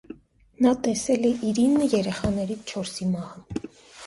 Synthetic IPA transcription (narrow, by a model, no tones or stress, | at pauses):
nɑt̪ɛsɛlɛʔiɾinːəjɛɾɛχɑnɛɾit͡st͡ʃʰɔɾsimɑhɑn